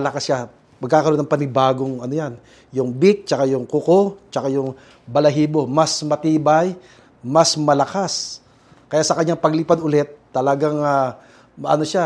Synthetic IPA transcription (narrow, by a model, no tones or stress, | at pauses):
ɐlɐkasʃa | mɐɡ̚kaːkɐɾonɐŋpɐnɪbaːɡoŋɐnojan | jʊŋbɪk̚t͡ʃɐkajʊŋkʊkot͡ʃɐkajʊŋ | bɐlɐɦiːbo̞mɐsmɐt̪iːbɐj | mɐsmɐlɐkas | kɐjaʔsɐkɐɲːaŋpɐɡliːpɐd̪ʊlɛt̪̚ːɐlɐɡaŋa | ʔɐ̰noʃa